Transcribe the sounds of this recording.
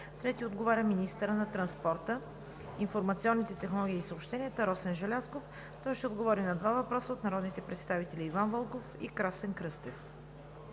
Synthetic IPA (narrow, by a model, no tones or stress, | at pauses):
t̪ɾɛt̪iod̪ɡovaɾʲəminist̪əɾənɐt̪ɾɐnspɔɾt̪ə | infoɾmɐt̪siɔnːit̪ɛt̪ɛxnolˠɔɡʲiːsəopʃt̪ɛniət̪əɾɔsɛnʒɛlʲaskof | t̪ɔjʃt̪ɛod̪ɡovɔɾinɐd̪vavɐpɾɔsəot̪nɐɾɔd̪nit̪ɛpɾɛt̪st̪avit̪ɛlʲiːvanvəlˠkofḭkɾasɛnkɾɤst̪ɛf